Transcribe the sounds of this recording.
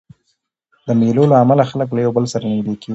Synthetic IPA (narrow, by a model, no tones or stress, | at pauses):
d̪əmelolaːmalaxalək̬lajawbəlsaɾaned̪ekeɡ